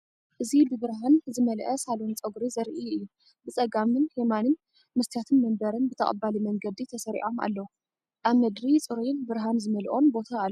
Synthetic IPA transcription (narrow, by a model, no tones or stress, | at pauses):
ʔɨzibɨbɨɾɦanzɨmɐlʔɐsalunt͡sʼɐɡɾizɐɾʔiɨjːu | bɨt͡sʼɐɡamɨnhemanɨn | mɨst̪ʰjat̪ʰɨnmɐmbɐɾɨnbɨt̪ʰɐχʼɐ̰balimɐŋɡɐd̪it̪ʰɐsɐɾḭʔo̞ma̰lːɐwu | ʔaβmɐd̪ɾit͡sʼɨɾujɨnbɨɾɦanzɨmɐlʔo̞nbo̞t̪ʰaːl